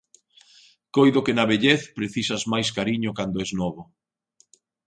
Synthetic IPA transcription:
kojðʊkenɐβeʎeθpɾeθisazmajskaɾiɲʊkand̪oɛznɔβo

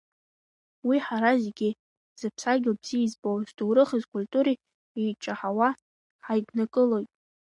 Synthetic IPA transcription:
wiħaɾazeɡʲɪ | z̥ɨpʰsaɡʲabz̥izbowzduwɾɨχizkʷʼʊlʲtʼuɾi | ejt͡ʃʼaħawa | ħajɡnakʼɨlojtʼ

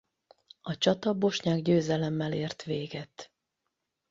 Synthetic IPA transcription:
ɒt͡ʃɒt̪ɒbo̞ʃɲaːɡɟøːzɛlɛmːɛleːrt̪ʋeːɡɛt̪

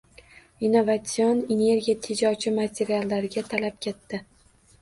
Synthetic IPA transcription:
inovat̪sijonene̞ɾɡʲijat̪ʰed͡ʒɒt͡ʃʰɪmat̪ʲʰe̞ɾialːaɾɪɡʲat̪ʰalap̚kʲʰe̞t̪ːɪ

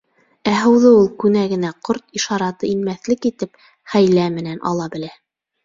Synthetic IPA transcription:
æɦɤ̆wðɤulˠkʉnæɡɘ̆næqoɾt̪iʃɑɾɑt̪ɤinmæθlɘkit̪ɘp | χæjlæmɘ̆nænʔɑ̰lˠɑbɘ̆læ

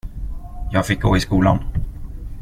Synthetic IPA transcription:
jɑːɡfɪk̚ɡoːɪskuːla̰n

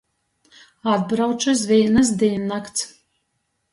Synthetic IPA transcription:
ad̪̚bɾawt͡ʃas̬viɛnas̬d̪iɛnːakt̪s

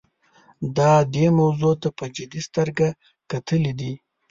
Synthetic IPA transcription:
d̪ɑd̪emawzot̪apəd͡ʒɪd̪ist̪əɾɡa | kat̪əlid̪i

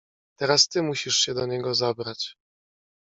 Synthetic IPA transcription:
t̪ɛɾast̪ɘmuɕiʂɕɛd̪ɔɲɛɡɔzabɾat͡ɕ

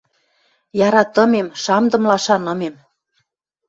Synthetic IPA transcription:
jɑɾɑt̪ɤ̆memʃɑmd̪ɤ̆mlɑʃɑnɤ̆mem

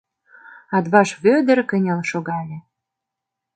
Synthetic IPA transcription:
ɑd̪βɑʃvød̪ə̆rkə̆nʲelʃoɡɑlʲĕ

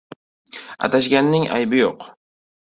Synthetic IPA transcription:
a̰t̪aʃɡʲanːɪŋa̰jbɪjoq

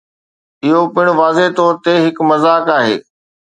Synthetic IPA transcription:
ɪɦopɪɽ̃ʊ̆ʋaːzeɦt̪ɔːɾt̪eɦɪkmɐzaːkaːɦḛː

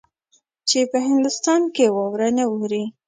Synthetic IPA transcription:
t͡ʃepəɦɪnd̪ʊst̪ɑnkewɑwɾənewuɾi

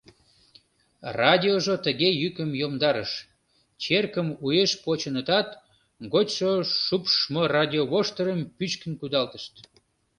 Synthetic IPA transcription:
rɑd̪ʲioʒot̪əɣejykəmjomd̪ɑɾəʃ | t͡ɕerkəmujeʃpot͡ɕənət̪ɑt̪ | ɡotʲʃoʃupʃmorɑd̪ʲioβoʃt̪əɾəmpyt͡ɕkənkud̪ɑlt̪əʃt̪

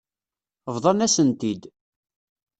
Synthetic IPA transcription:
vðˤɑnæsənt̪id̪

